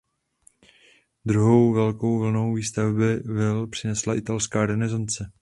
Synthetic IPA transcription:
d̪ɾuɦo̞wvɛlkowvl̩no̞wviːst̪avbɪvɪlpr̥ɪnɛslaʔɪt̪alskaːɾɛnɛzant͡sɛ

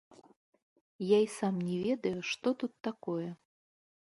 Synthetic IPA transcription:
jaisamnʲɛvʲɛd̪ɐjuʂt̪ɔt̪ut̪ːakɔjɛ

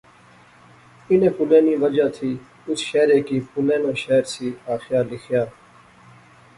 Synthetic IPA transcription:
ɪnẽːpʊlẽːniːʋəd͡ʒaːt̪ʰiː | ʊsʃɛːɾeːkiːpʊlẽːnãːʃɛːɾsiːaːxɪjaːɾlɪkʰjaː

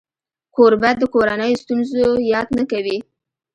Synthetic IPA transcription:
koɾbat̪̚d̪əkoɾanəjost̪unzojɑd̪nakawi

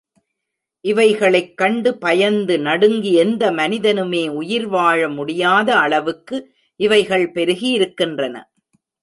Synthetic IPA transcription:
ʔɪʋɐɪɣɐɭɐɪkːɐɳɖɯpɐjɐnd̪ɯnɐɽɯŋɡiɛnd̪ɐmɐnɪðɐnɯmeːʊjɪɾʋaːɻɐmʊɽɪjaːðɐːɭɐʋɯkːɯ | ʔɪʋɐɪɣɐɭpɛɾɯɣijɪɾɯkːɪndrɐnɐ̰

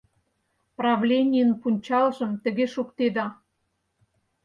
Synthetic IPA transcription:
prɑvlʲenʲijənpunʲt͡ɕɑlʒə̆mt̪ə̆ɣeʃukt̪ed̪ɑ

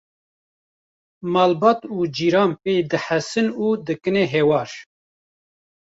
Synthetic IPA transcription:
mɑːlbɑːt̪uːd͡ʒiːɾɑːnpeːjd̪ɨħæsɨnuːd̪ɨkɨneɦewɑːɾ

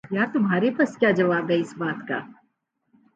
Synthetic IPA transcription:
jaːt̪ʊmɦaːɾepɐskjaːd͡ʒɐʋaːbɦɛɪsbaːt̪ka̰ː

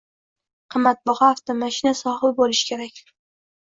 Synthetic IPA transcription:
qʰɨmːat̪̚bɒʁɑːft̪amaʃɪnasɒhɪbolɪʃkʲʰe̞ɾakʲ

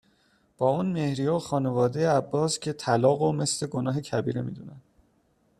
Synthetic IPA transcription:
b̥ɒːuːnme̞hɾijoxɒːne̞vɒːd̪ejeæbːɒːscʲʰe̞t̪ʰælɒːɣome̞sle̞ɡo̞nɒːɦe̞cʰæbiːɾemḭːd̪uːnænd̪̥

